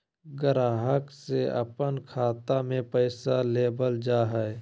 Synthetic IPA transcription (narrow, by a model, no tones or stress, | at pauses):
ɡəɾaːɦəkseʔɐ̰pənkʰaːt̪amẽpəɪsaleːbəld͡ʒaːɦɛ